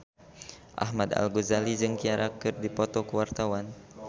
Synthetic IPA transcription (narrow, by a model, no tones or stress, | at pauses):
ʔa̰ɦmad̪a̰lɡuzalid͡ʒɨŋkiaɾakɨrdipɔt̪ɔkəwart̪awan